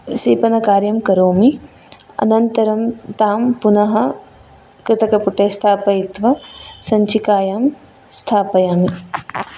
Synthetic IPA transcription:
siːpɐnɐkaːɾjɐmkɐɾoːmi | ɐ̰nɐnt̪ɐɾɐmt̪aːmpunɐɦɐ | kɾɪt̪ɐkɐpuʈeːst̪ʰaːpɐit̪ʋɐsɐɲt͡ʃikaːjaːm | st̪ʰaːpɐjaːmi

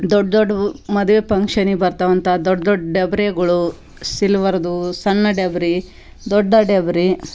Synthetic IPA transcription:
d̪ɔɖːd̪oɖːɐmɐd̪uʋepɐŋkʂɐnibɐɾt̪aʋɐnt̪ʰad̪ɔɖːɐd̪oɖːɖebɾeɡɐɭu | silʋɐɾɐd̪usɐnːɐɖebɾi | d̪ɔɖːɐɖebɾi

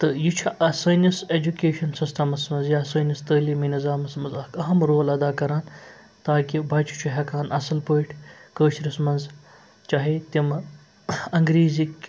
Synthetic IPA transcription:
t̪ɨjit͡ʃʰuʔɐsɐːnɐsed͡ʒukeːʃɐnsist̪ʰɐmɐsmɐnzjaːsɐːnɐst̪əːliːminizaːmɐsmɐzɐkɐɦɐmɾoːlɐd̪aːkɐɾaːn | t̪aːkibɐt͡ʃʰu̥t͡ʃʰuɦʲɐkaːnɐsɐlpəːʈʰkəːʃʰɾɐsmɐnz | t͡ʃaːɦet̪im | ɐŋɡɾiːzikʲ

